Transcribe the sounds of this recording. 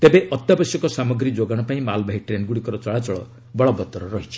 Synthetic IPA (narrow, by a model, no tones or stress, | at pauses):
t̪ebeʔɔt̪jabɔsjɔkɔsamɔɡɾid͡ʒoɡaɽ̃ɔpaĩmalbaɦiʈɾenɡuɽikɔɾɔt͡ʃɔɭat͡ʃɔɭɔ̰ | bɔɭɔbɔt̪ɔɾɔɾɔɦit͡ʃʰi̥